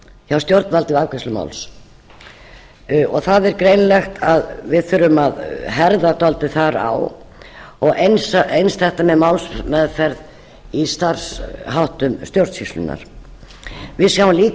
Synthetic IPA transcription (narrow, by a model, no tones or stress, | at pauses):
çawst̪jowɾt̪nvalt̪ɪvavkɛslʏma̰wls | ɔɣθaðɛɾkɾejnlɛxt̪ʰaðvɪðθʏɾʏmaðɦɛɾðat̪ɔlt̪ɪθaɾa̰w | ɔɣejnsejnst̪θɛht̪amɛðmawlsmɛːðfɛɾð | ist̪ar̥sɦawht̪ʏmst̪jowɾt̪sislʏ̰na̰ɾ̥ | vɪðsjawnliːk